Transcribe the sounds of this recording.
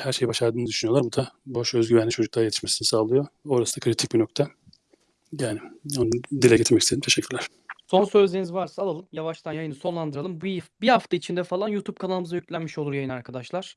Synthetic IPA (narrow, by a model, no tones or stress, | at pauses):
hæɾʃe̞jbaʃaɾd̪ɯːnɯd̪yʃynyjo̞lˠaɾbud̪aboʃø̞zɟyvænlʲit͡ʃʰo̞d͡ʒuklˠaɾje̞t̪ʰiʃme̞sinisaːlˠɯjooɾasɯd̪akʰɾit̪ʰic̚binok̚t̪ʰa | jaːnionud̪ilʲɛɟet̪ʰɾmɛcist̪ed̪imt̪ʰeʃɛcʰːyɾlʲæɾ̥ | so̞nsøld̪ʲenizvaɾsaalˠalˠɯmjavaʃt̪ʰanjajɯnɯso̞nlˠand̪ɯɾalˠɯmbbihaft̪ʰait͡ʃʰind̪ɛfalˠanjuːt̪ʰub̚kʰanalˠɯmɯzajycʲlʲænmiʃolˠuɾjajɯnaɾkʰad̪aʃlˠaɾ̥